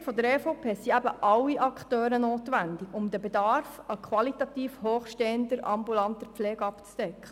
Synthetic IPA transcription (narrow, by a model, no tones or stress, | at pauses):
fɔd̪əɾɛfopʰeːsiæbəʔɑlːiʔɑkχtøːɾənoːt̪ʋændɪɡʊmd̪əbɛdɑɾfəkʰʋɑlit̪ɑt̪iːfɦoːχʃteːənd̪əɾɑ̰mbulɑnt̪əpflɛːɡɑpt͡sd̥ɛkχə